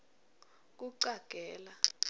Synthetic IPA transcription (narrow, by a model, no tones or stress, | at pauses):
k̬ʼuǀaɡ̥ʱɛːla